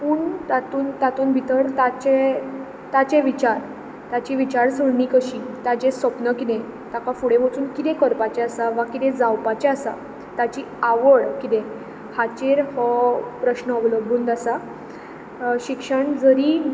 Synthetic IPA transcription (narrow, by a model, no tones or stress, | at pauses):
puːɳt̪at̪uːnt̪at̪uːnbʱit̪əɾt̪at͡ɕe | t̪at͡ɕeʋit͡ɕaɾ | t̪at͡ɕiʋit͡ɕaɾsəɽnikəɕiːt̪ad͡ʑesəpnəkit̪ẽ | t̪akafuɽebot͡suːnkit̪ẽkəɾpat͡ɕeasaʋakit̪ẽd͡zawpat͡ɕeasa̰ | t̪at͡ɕiːaʋəɭkit̪ẽ | hat͡ɕeɾhɔpɾəɕnəɔʋlobʱuːnd̪asa | ɕikʂəɳd͡zəɾiː